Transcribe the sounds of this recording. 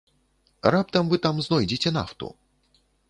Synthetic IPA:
rap̚t̪ɐmvɨt̪amznɔjd͡zʲet͡sʲɛna̰ft̪ṵ

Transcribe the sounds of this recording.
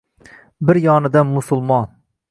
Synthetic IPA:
bɪɾjɒnɪd̪anmʊsʊlˠmɑn

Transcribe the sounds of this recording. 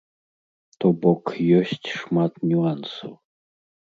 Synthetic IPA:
t̪ɔbɔkjɔsʲt͡sʲʂmat̪nʲuansɐw

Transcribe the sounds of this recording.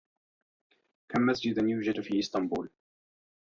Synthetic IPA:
kʰamːasd͡ʒɪd̪̚ðənjuːd͡ʒɪt̪fiʔɪst̪ɑmbuːl

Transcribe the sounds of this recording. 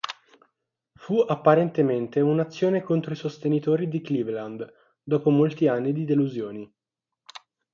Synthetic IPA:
fuapːaɾent̪ement̪eunat̪sːjoːnekont̪ɾoisost̪enit̪oːɾid̪iklivland̪ | d̪ɔːpomolt̪ianːid̪id̪eluzjoːni

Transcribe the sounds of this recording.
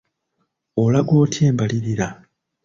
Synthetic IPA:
olaɡo̞ːtʰjeːmbaliɾiɾa

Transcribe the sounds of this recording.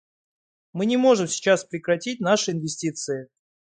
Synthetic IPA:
mɨnʲɪmo̞ʐɨmsʲɪ̥t͡ɕaspɾʲɪkɾɐtʲit̚ʲnaʂɨɪnvʲɪsʲtʲit̪sɨɪ

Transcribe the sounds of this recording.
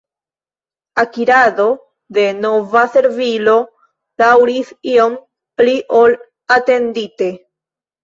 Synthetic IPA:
akiɾado̞ | de̞no̞vase̞ɾvilo̞ | d̥awɾisio̞m | pliʔol | ate̞ndite̞

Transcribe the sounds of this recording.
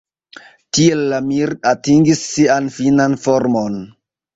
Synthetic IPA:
tielːamiɾatiŋɡisːianfinanfoɾmon

